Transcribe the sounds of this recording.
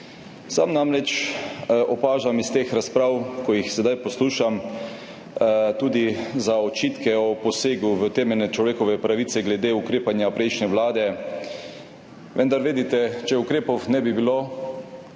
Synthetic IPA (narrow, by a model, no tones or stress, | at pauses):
sa̰mnamɾɛt͡ʃ | ʔɔpaːʒamist̪eːxɾaspɾawkɔjixsɛd̪ajpɔsluːʃam | t̪uːd̪izaɔt͡ʃiːt̪kɛɔpɔseːɡuʋət̪ɛːmɛlnɛt͡ʃlɔʋeːkɔʋɛpɾaʋiːt̪sɛɡlɛd̪eːukɾeːpanjapɾɛjʃnɛʋlaːd̪ɛ | ʋənd̪aɾʋeːd̪it̪ɛt͡ʃɛukɾeːpɔwnɛbibilo